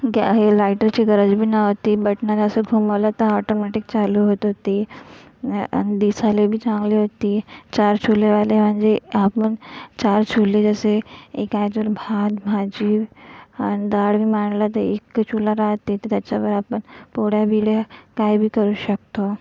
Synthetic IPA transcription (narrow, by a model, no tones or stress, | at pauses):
ɡɦelajʈəɾt͡ɕiɡəɾəd͡zbʱiːnaɦot̪iːbəʈnad͡zəseɡʱumaʋlat̪əɔʈomɛʈik̚t͡ɕaluɦot̪ɦot̪i | nid̪isalebʱiːt͡sãŋɡliɦot̪iːt͡ɕaɾt͡ɕʰuleʋalem̤əɳd͡zeapənt͡ɕaɾt͡ɕʰuled͡zəseekajtʋəɾbʱad̪mad͡ʑiːʋañid̪aɽbiːmaɳlat̪əekːt͡ɕʰulaɾaɦt̪ːet̪et̪jat͡ɕabəɾapəɳpoɽjabʱiɽjakaibʱiːkəɾuːɕək̚t̪o